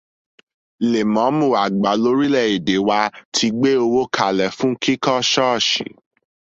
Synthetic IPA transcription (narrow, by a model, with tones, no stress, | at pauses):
le˨mɔ̃˨˦mũ˦˨a˨ɡ͡ba˨˦lo˨˦ɾi˦lɛ˦˨i˨de˨˦wa˧tʰi˧ɡ͡be˦o˧wo˦kʰa˨lɛ˨fũ˦kʰi˦kɔ˦ʃɔ˦˨ʃḭ˨˦